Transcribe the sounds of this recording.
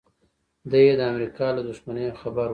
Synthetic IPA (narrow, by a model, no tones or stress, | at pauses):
d̪ajed̪əamɾikɑlad̪ʊʃmanejoxabaɾ